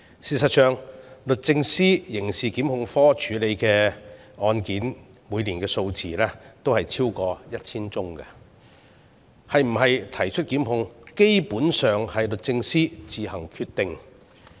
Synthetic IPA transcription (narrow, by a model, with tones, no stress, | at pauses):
siː˨˩s̬ɐ˨t̚sœː˨ŋlɵ˨t̚t͡sɪ˧ŋsiː˥jɪ˨˩ŋsiː˨kiː˨˥mhʊ˧ŋfɔː˥t͡ʃʰyː˨˥le˨˧jkɛː˧ | ɔː˧nkiː˨˥n | muː˨˧jliː˨˩nkɛː˧so˧wt͡sʰḭː˨˩lɛ˥t̪o˥whɐ˨jt͡sʰiː˥wkɔː˧jɐ˥t̚t͡sʰiː˥nt͡sʊ˥ŋkɐ̰˧ | hɐ˨jm̩˨˩ɦɐ˨jt̪ʰɐ˨˩jt͡ʃʰɵ˥t̚kiː˨˥mhʊ˧ŋke˥jpuː˨˥nsœː˨ŋhɐ˨jlɵ˨t̚t͡sɪ˧ŋsiː˥t͡siː˨˧hɐ˨˩ŋkʰyː˧t̪ːɪ˨ŋ